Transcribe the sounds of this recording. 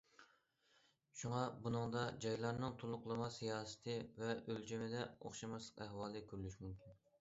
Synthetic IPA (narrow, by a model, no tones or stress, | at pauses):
ʃuŋɑbunɨŋd̪ɑd͡ʒɑjlˠɑɾnɨŋt̪ʰolˠʊqlˠɨmɑsijɑːsɨ̥t̪ʰɨvɛʔølt͡ʃʰemɪd̪ɛo̰χʃɑmɑslˠə̥qæhwɑːlˠɨkʲʰøɾlyʃmumkʲʰin